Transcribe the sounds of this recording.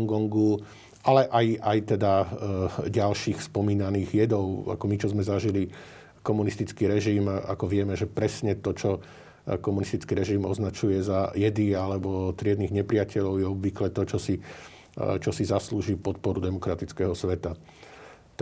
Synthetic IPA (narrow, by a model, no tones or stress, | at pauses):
ŋɡɔŋɡu | ʔalɛʔajajt̪ɛd̪a | ɟalʃiːxspɔmiːnaniːɣjɛd̪ɔʊa̰kɔmit͡ʃɔzmɛzaʒili | kɔmunist̪it͡skiɾɛʒima̰kɔʋɪɛmɛʒɛpɾɛsɲɛt̪ɔt͡ʃɔ | kɔmunist̪it͡skiɾɛʒimɔznat͡ʃujɛzajɛd̪ialɛbɔt̪ɾɪɛd̪niɣɲɛpɾɪacɛʎɔʊjɛɔbʋiklɛt̪ɔt͡ʃɔsi | t͡ʃɔsizasluːʒiːpɔt̪̚pɔɾud̪ɛmɔkɾat̪it͡skɛɦɔsʋɛt̪a | t̪